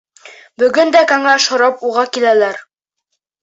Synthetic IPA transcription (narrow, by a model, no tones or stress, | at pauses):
bɵ̆ɡɵnd̪ækæŋæʃhŏɾɑpuʁɑkilælæɾ